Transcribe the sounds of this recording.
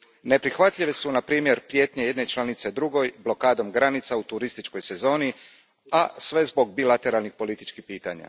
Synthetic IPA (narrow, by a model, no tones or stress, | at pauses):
nepɾixʋat̪ʎiʋesunapɾiːmje̞ɾpɾje̞ːt̪ɲejed̪ne̞t͡ʃlˠanit̪sed̪ɾuɡo̞jblo̞kaːd̪o̞mɡɾanit̪saut̪uɾist̪it͡ʃko̞jse̞zo̞ːni | asʋe̞zbo̞ɡ̚bilat̪e̞ɾalnixpo̞lit̪it͡ʃkixpiːt̪a̰ɲa̰